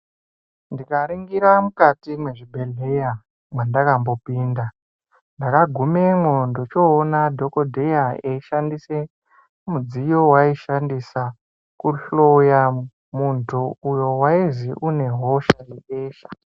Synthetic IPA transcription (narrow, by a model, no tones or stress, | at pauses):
ndikaɾiŋɡiɾamukatimwe̞ʐibʱe̞ɮeja | mwandakambo̞piːnda | ndakaɡʱumemondot͡ʃoːnadʱo̞ko̞dʱe̞jaeiʃandise | mud͡zijo̞waiʃandisa | kuɬoja | muntʰuujo̞waiziʔune̞ɦo̞ʃajeeːʃḁ